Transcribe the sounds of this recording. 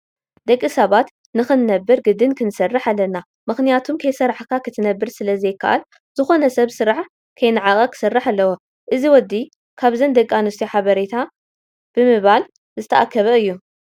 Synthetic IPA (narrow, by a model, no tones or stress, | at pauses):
d̪ɐkʼːisɐβat̪ | nɨxɨnːɐbːɨɾɡɨd̪ɨnkʰɨnsɐrːaħalːɐnːa | mɨxnijat̪ʰumkʰɐjsɐɾːaħkʰakʰɨt̪ʰɨnɐbːɨɾsɨlɐzɐjɪkːa̰ʔa̰l | z̥ɨxo̞nɐsɐβsɨɾaʕ | kʰɐjnɨʕakʼɐkʰɨ̥sɐrːaħalːɐwo | ʔɨziwɔd̪ːi | kʰaβzɐnd̪ɐkʼːanust̪ʰiħaβɐɾet̪ʰa | b̥ɨmɨβal | zɨt̪ʰɐʔakʰːɐβɐɨjːu